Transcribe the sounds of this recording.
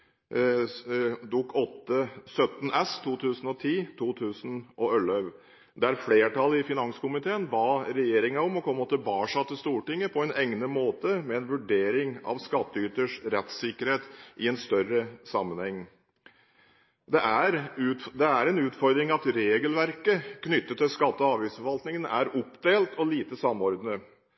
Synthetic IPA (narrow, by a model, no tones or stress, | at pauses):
d̪uːkʰɔt̪ːəsœt̪n̩ɛst̪ʰuːt̪ʰʉːsən̩ɔt̪ʰiːt̪ʰuːt̪ʰʉːsn̩ʔɔœlœʋ | d̪ɛæɾfleːʈɑlːəɪfɪnɑŋsə̥kʊmɪt̪ʰeːənbɑːɾɛjeːɾɪŋɑɔmɔkʰɔmɔt̪əbɑːʂɑt̪ːɪst̪uːʈɪŋːəpʰɔɛnɛŋnəmoːt̪əmɛɛnʋʉɖeːɾɪŋɑ̰ʋskɑt̪ːəʏt̪əʂɾɛt̪sɪkəɾheːt̪ʔɪɛnst̪œrəsɑmːənhɛŋː | d̪ɛʔæɾʉd̪ɛæɾɛnʉːt̪fɔɾd̪ɾɪŋɑt̪ɾeːɡəlʋæɾkəkʰnʏt̪ːət̪ːɪlskɑt̪ːəɔɑːʋiːsfɔɾʋɑlt̪nɪŋənæɾɔpd̪eːlt̪ʰɔliːt̪əsɑmːɔɾd̪nə